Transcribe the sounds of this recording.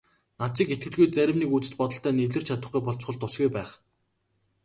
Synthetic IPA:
nat͡ɕɪ̆ket̪̚ɡɘ̆ɮɣujt͡sæɾʲɪ̆mniːkut͡sɘ̥̆t̪pɔt̪ɞ̆ɬt̪æːnewɮɘ̆rt͡ɕʰat̪ə̆χɡujpɔɮt͡ɕχɞ̆ɮt̪ːʊsɡujpæːχ

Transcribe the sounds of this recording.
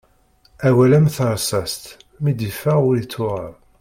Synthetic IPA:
æwælæmθəɾˤsæst̪ | mid̪ifæʊɾit͡sːʊʁəɾˤ

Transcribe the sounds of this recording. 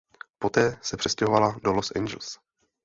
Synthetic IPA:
po̞t̪ɛːsɛpr̥ɛscɛɦovaladolosʔɛ̰nd͡ʒɛl̩s

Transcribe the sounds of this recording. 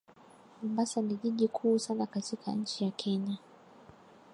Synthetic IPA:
mumbasaniʄiʄikʰuːsanakatikʰa̰ɲ̩t͡ʃijakʰɛɲa

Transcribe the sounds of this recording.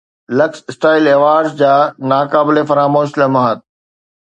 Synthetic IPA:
lɐksɪsʈaːɪleːʋaːɾzd͡ʑaːnaːkaːbɪlefɐɾaːmoːʃlɐmaɦaːt̪̚

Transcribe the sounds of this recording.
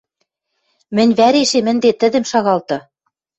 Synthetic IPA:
mɘ̆nʲβæɾeʃemɘ̆nd̪et̪ɘ̆d̪ɘ̆mʃɑɣɑlt̪ɤ̆

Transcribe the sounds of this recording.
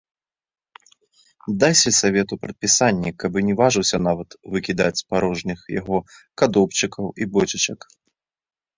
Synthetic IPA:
d̪ajsʲsavʲɛt̪upɾɐt̪̚pʲisanʲːḭkabɨnʲɛvaʐɨwsʲɐn̪avɐt̪vɨkʲid̪at͡sʲspaɾɔʐnʲɨxja̰ɣɔkad̪ɔpt͡ʃɨkʰɐwibɔt͡ʃɐt͡ʃɐk

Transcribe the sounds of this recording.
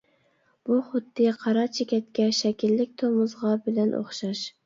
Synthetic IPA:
b̥uχʊd̪ːɨqʰɑɾɑɾt͡ʃʰekʲɛt̪̚kʲɛʃɛkʲʰilːɪkʲt̪ʰomʊzʁɑbɪlɛnʔo̰χʃɑʃ

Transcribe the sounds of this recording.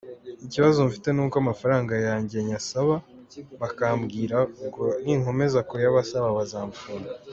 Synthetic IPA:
iciβazomfite̞nuːkoamafaɾaːŋɡajaːɲɟe̞ɲasaβa | βakaːmbɡiːɾaɡoniŋ̥o̞me̞zako̞jaβasaβaβazaːɱfuna

